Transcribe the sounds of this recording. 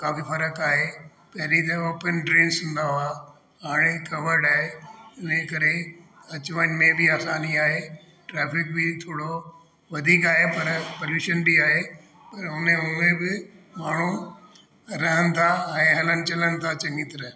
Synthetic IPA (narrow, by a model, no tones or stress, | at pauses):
kaːfifɐɾəkaːɦe | pɐɦɪɾit̪ɐoːpənɖɾeːnsʊ̃nd̪aoaː | ɦaːɽ̃ekɐʋəɾɖaːɦeʊnẽkɐɾeɐt͡ɕʋanmẽbɪaːsaːniaːɦe | ʈɾɛːfɪk̚bɪt̪ʰoːɽo | ʋɐd̪ʱiːkaːɦepɐɾpɐljuːʃənbiaːɦe | pɐɾʊnẽɦʊmẽbɪmaːɳ̤u | ɾɐɦənɪ̆t̪ʰaɛ̃ːɦɐlənɪ̆t͡ɕɐlənɪ̆t̪ʰat͡ɕɐ̃ŋɡɪt̪ɪɾə